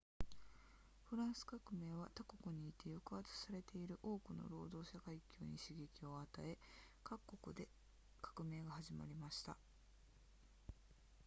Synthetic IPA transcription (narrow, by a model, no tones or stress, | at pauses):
ɸɯ̟ɾãɰ̃sɨ̥kakɯ̟me̞ːβat̪ako̞kɯ̟ɲ̟iːt̪ːe̞jokɯat͡sɨ̥saɾe̞t̪e̞iɾɯ̟ʔo̞ːkɯ̟no̞̰ɾo̞ːd̪o̞ːɕakaikʲʰɨːɲ̟ḭɕiɡʲe̞kʲio̞at̪ae̞ | kakːo̞kɯ̟d̪e̞ | kḁkɯ̟me̞ːɡahaʑima̰ɾʲimaɕi̥t̪a̰